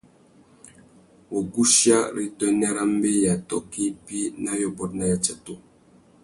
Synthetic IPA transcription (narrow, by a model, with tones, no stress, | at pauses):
wo˨ɡu˦ʃja˦ɾi˦tɔ˦nɛ˦ɾa˦m˦be˦ja˨tɔ̰˦ki˦pi˦na˦jɔ˨bɔ˦t̚na˨˦ja˨t͡ʃa˨to˦